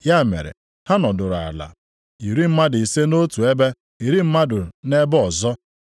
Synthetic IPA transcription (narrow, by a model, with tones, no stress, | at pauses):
ja˦˨mḛ˨ɾḛ˨ | ha˦nɔ˨dʊ˨ɾʊ˨a̰˨la̰˨ | i˨ɾi˦m̩˦ma˦dɪ˨i˨se˦no˦tu˨e˦be˦ | i˨ɾi˦m̩˦ma˦dʊ˨ɾʊ˨ne˦bɔ˨zɔ˦